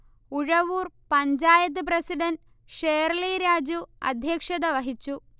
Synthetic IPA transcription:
uɻɐʋuːrpɐɲd͡ʑaːjɐt̪̬ːɨp̬rɐsiɖɐn | ʂejɐrliɾaːd͡ʑuɐ̰d̪ʱjɐkʂɐðɐʋɐɦit͡ɕːu

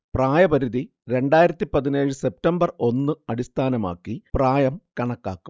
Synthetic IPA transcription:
praːjɐbɐɾuði | ɾe̞ɳɖaːjiɾɐt̪ːipɐðineːɻɨse̞p̚tɐmbɐro̞nːɨɐɽist̪ʰaːnɐma̰ːkːipraːjɐmkɐɳɐkːaːkːu̥m

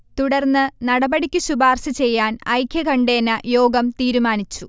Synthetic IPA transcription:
t̪uɽɐrnːɨnɐɽɐbɐɽikʲːuɕubaːrɕɐt͡ɕe̞jːaːnɐjkʰjɐkɐɳɖe̞ːnːɐjo̞ːɡɐmt̪iːɾumaːnit͡ɕːu

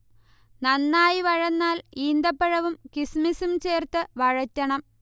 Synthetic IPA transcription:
nɐnːaːjiʋɐɻɐnːaːliːnd̪ɐpːɐɻɐʋumkismisumt͡ɕeːrt̪ɨʋɐɻɐtʲːɐɳɐm

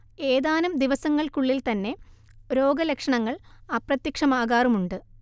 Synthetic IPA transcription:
eːðaːnɐmd̪iʋɐsɐŋːɐɭkuɭːilt̪ɐnːe̞ | ɾo̞ːɡɐlekʂɐɳɐŋːɐɭɐprɐt̪jɐkʂɐmaːɣaːrumuɳɖɨ

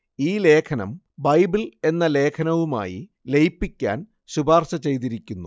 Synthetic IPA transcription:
iːle̞ːkʰɐnɐ̰m | bɐjbile̞nːɐle̞ːkʰɐnɐʋuma̰ːjḭ | le̞jpːikʲːa̰ːn | ɕubʱaːrɕɐt͡ɕe̞jt̪̬iɾikʲːunːu

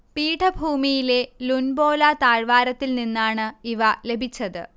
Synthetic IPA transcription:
piːʈʰɐbʱuːmijile̞lunbo̞ːlat̪aːɻʋaːɾɐt̪ːilninːaːɳɨiʋɐle̞bʱit͡ɕːɐðɨ̰

